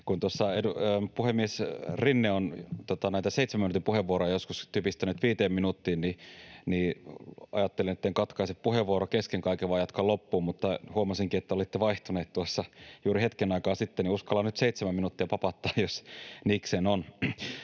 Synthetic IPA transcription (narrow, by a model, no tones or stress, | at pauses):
kunt̪uosːɑeduøːpuhemːiesrinːeont̪ot̪ɑnæit̪æseit̪semæminut̪impuheʋːuoɾojɑjoskust̪yøpist̪ænyt̪ʋiːt̪eːmminut̪ːiːnniniːɑ̰jɑt̪ːelinet̪ːeŋkɑt̪kɑiseppuheʋuoɾokeskeŋkɑikeʋɑːjɑt̪kɑlopːuːmut̪ːɑhuɑmɑsiŋkiet̪ːæolit̪ːeʋɑiht̪uneːt̪t̪uɑsːɑjuːɾihet̪kenɑikɑːsit̪ːeniuskɑlːɑnnyt̪seit̪semæminut̪ːiɑpɑpɑt̪ːɑːjjosniːksenon